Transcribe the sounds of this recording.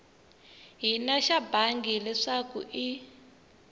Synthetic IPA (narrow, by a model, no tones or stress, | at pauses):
ɦinaʃabaŋɡilɛʂakṵʔi